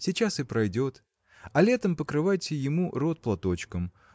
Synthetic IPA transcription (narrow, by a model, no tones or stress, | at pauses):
sʲɪt͡ɕasɨpɾɐjdʲo̞t̪ | ɐlʲe̞t̪əmpəkɾɨvajtʲɪjɪmurot̪̚plˠɐt̪o̞t͡ɕkəm